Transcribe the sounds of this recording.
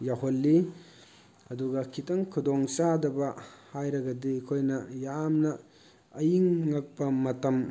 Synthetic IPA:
jaɦolːi | ɐduɡɐkʰitɐŋkʰudoŋt͡ʃadɐbɐhajɾɐɡɐdiɐkʰojnɐjamnɐː | jiŋːɐk̚pɐmɐtɐm

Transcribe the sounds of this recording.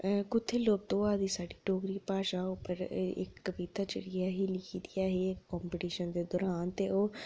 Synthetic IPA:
kʊt̪ʰːeːloːb̚d̪oːaːd̪iːsaːɖiːʈoːɡɾiːpaːʃaːʊpːəɾɪ̰kːəbiːt̪aːt͡ʃəɽɪjaːɦiːlɪkʰiːd̪ɪjaːɦeːkːɔːmpɪʈiːʃənd̪eːd̪ɔːɾaːnt̪eːoː

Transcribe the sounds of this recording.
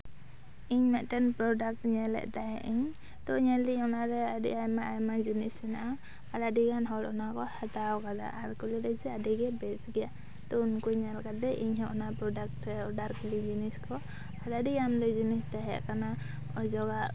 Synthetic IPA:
iɲmɛʔ̪ʈɛnpɾɔɖak̚ʈɲɛlɛ̰ʔd̪aɛʔiɲ | t̪ɔɲɛliɲɔnaɾɛadḭʔajmaʔajmad͡ʒinisɛnaʔa | aladiɡanɦɔlɔnakɔhat̪awkad̪a̰ʔaɾkulid̪ɛsɛadiɡɛbɛsɡɛja | t̪ɔunkuɲalkad̪̚ɛʔiɲɦɔʔɔnapɾɔdak̚ʈɛɔdaɾkulid͡ʒiniskɔ | aladiamd̪ɔd͡ʒinist̪aɦɛa̰ʔkana | ɔd͡ʒɔɡaʔ

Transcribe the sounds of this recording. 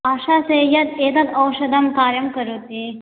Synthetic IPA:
aːʃaːsejɐd̪eːd̪ɐd̪ɐwʃɐd̪ɐmkaːɾjɐmkɐɾuːt̪i

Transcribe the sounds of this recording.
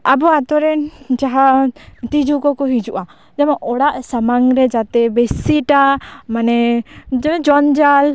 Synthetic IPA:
abɔat̪ɔɾɛnt͡ʃaɦat̪id͡ʒukɔkɔɦid͡ʒuʔa | d͡ʒamaʔɔɽaʔsamaŋɾɛd͡ʒat̪ɛbɛsiʈamanɛ | d͡ʒɔnd͡ʒal

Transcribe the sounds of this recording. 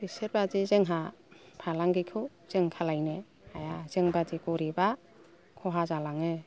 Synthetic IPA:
biseɾbadizeŋɦapʰalaŋɡikʰɯ | z̥eŋkʰalajne | ajazeŋbadikɔɾiba | kʰɔɦazalaŋe

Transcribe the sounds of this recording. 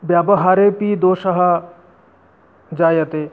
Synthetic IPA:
bjaːbɐɦaːɾepid̪oːʃɐɦɐ | d͡ʒaːjɐt̪eː

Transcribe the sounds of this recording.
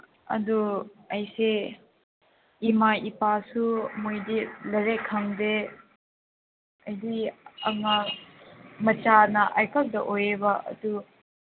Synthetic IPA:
ɐ̰duɐjse | imaipasumujdilɐɾekʰɐŋde | ɐjdiɐ̰ŋa | mɐt͡ʃanɐʔɐjkɐk̚dɐʔojebaʔɐ̰du

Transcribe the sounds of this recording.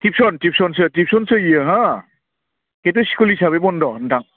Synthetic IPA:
tip̚sɔntip̚sɔns̬ɯtip̚sɔnsɯijɯɦa | ket̬ɔsi̥kulisaβebɔndɔntʰaŋ

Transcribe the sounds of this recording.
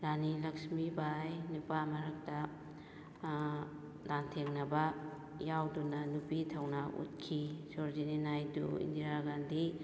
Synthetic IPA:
ɾanilɐksmibajnupamaɾɐk̚ta | dantʰeŋnɐba | jawdunanupitʰawnaʔṵt̚kʰisɔɾzinenajdṵḭndiɾaɡandi

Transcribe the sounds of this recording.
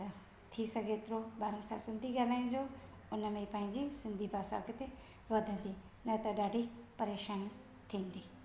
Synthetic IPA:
t̪ʰisɐɡeːt̪ɾobaːɾənsã̰sɪ̃nd̪ʱiɡaːlaːĩnd͡ʒoː | ʊnəmẽipãːɪ̃nd͡ʒisɪ̃nd̪ʱibaːsa̰ːkɪt̪e | ʋɐd̪ʱə̃nd̪i | nɐt̪ɐɖaːɖʱipɐɾeːʃaːn | t̪ʰĩːnd̪iː

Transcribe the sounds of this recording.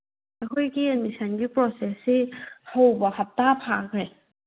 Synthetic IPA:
ɐkʰojɡiemisanɡipɾɔsesehawbɐhɐp̚tapʰakɾe

